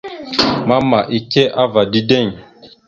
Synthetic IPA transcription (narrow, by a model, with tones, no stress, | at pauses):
ma˦ma˨ʔi˦ke˦ʔa˦va˨di˦de˦˨ɲ